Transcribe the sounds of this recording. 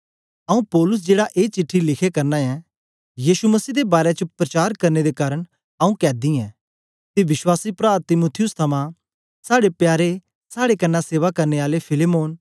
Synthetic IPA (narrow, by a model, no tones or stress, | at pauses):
ɐũpɔːlʊs̬d͡ʒeːɽaʔeːt͡ʃɪʈʰːilɪkʰekɐɾnaɛ̃ | jiːʃumɐsiːd̪ebaːɾet͡ʃəpɾɐt͡ʃaːɾkɐɾned̪ekaːɾəɽ̃ | ɐũkɛːd̪iɛ̃ː | t̪iʋɪʃwaːsipɾaːt̪ɪmoːt̪ʰɪjʊst̪ʰɐmã | saːɽepjaːɾe | saːɽekɐnːaseːʋakɐɾneaːlepʰɪlemoːn